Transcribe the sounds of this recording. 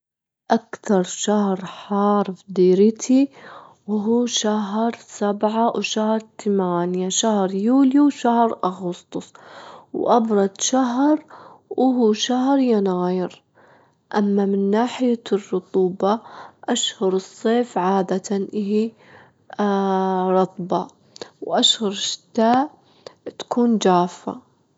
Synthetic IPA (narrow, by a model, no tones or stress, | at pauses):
ʔakt̪ɑɾˤʃahɾħɑːɾˤfd̪iːɾɪt̪ʰi | wɦuːʃaɦɾˤsabʕawʃahɾˤt̪amaːnjaʃahɾˤjuːljuwʃahɾˤʔaɣʊst̪ʊsˤwʔɑbɾˤɑd̪ʃaɦɾʔʊɦuːʃaɦɾjanaːjɪɾ | ʔamːamɪnːaːħɪjarˤːʊt̪ˤuːbɑʔaʃhʊɾɨsˤːeːfʕaːd̪at̪anʔɪɦi | ɾˤɑt̪ˤbɑ | wʔaʃhʊɾˤʃɪ̥t̪aːʔ | t̪ḁkʰuːnd͡ʒaːfːa̰